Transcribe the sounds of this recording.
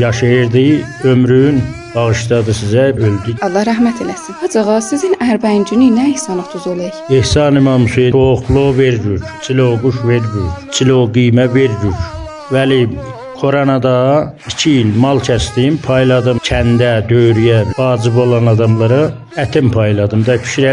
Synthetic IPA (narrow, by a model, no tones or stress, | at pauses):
jɑʃɑjɯɾd̪ɯømɾyn | b̥ɑɣɯʃd̪ɑd̪ɯsizæøld̪yɑlˠːɑhɾæɦmæt̪ʰelæsinɑd͡ʒɑɣɑsizinæɾbænd͡ʒynynæihsɑnlˠɯχt̪ʰuzolˠɑjɑehsɑnimɑnmuseoχlˠoveɾd͡ʒyɾt͡sʰiloɡuʃveɾbuɾt͡sʰiloɡijmæveɾɾuɾ | væli | kʰoɾɑnɑd̪ɑ | icʰiːlmɑlˠcʰæst̪impʰɑjlˠɑd̪ɯmcʰænd̪æd̪ø̞jɾyjævɑːd͡ʒibo̞lˠɑnɑd̪ɑmlˠɑɾɯ | æt̪ʰempʰɑjlˠɑd̪ɯmd̪ɑpʰi̥ʃiɾæ